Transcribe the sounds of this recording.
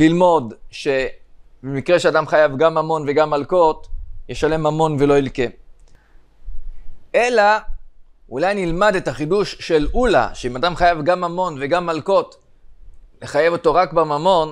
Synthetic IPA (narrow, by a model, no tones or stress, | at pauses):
lilmo̞dʃe̞ | bemikʁe̞ʃeadamχajavɡamamo̞nveɡamːalko̞tjeʃale̞mamo̞nvelo̞ilke̞ | ʔe̞la | ulajnilmade̞taχiduʃːe̞lula̰ʃeimadamχajavɡamamo̞nveɡamːalko̞t | le̞χaje̞vo̞to̞ʁakbamamo̞n